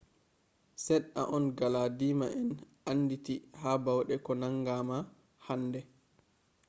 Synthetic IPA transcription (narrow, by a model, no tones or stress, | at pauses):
sɛɗːa̰ʔɔnɡaladiːmaʔɛn | anːditihaːbawɗɛkɔnaŋɡama | handɛ